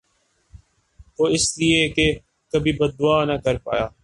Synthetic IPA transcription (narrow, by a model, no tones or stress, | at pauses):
ʋoːɪslieke | kəbʱiːbəd̪̚ːʊaːnakəɾpa̰ːjaː